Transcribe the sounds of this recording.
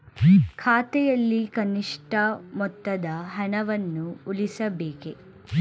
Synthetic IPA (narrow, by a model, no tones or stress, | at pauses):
kʰaːt̪ɛjɐlːikɐniʂʈɐmɔt̪ːɐd̪ɐɦɐɳɐʋɐnːuulisɐbeːke